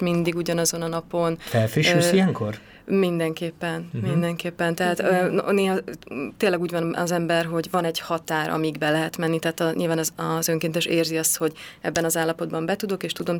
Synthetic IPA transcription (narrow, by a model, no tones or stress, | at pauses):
mind̪iɡuɟɒnɒzo̞nɒnɒpo̞nt̪ɛfɾiusijɛŋkor | mind̪ɛŋkeːpːɛnmind̪ɛŋkeːpːɛnt̪ɛɦaːt̪ø̰neːɦɒt̪eːlːɛɡuːɟvɒnɒzɛmbɛrɦo̞ɟvɒnɛɟhɒt̪aːɾɒ̰miɡbɛlɛɦɛt̪mɛnːit̪ɛɦaːt̪ɒɲilvaːnɒzɒzø̞ŋkeːnt̪ɛʃeːrziɒst̪ho̞ɟɛ̰bːɛnɒzaːlːɒpo̞d̪bɒmbɛt̪ud̪o̞keːʃt̪ud̪o̞m